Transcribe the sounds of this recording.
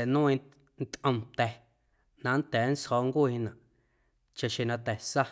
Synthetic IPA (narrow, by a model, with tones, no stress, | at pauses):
ɛ˨nũː˦ĩ˧ | n˦t̪ʔə̃˧mt̪ɛ˨ | nã˧˦n˦t̪ɛː˨˦n̩˦shɔː˧ŋkuː˦˨hĩ˦nã˨ʔ | t͡ʃã˨ʃẽ˧˨nã˧t̪ɛ˨sa˦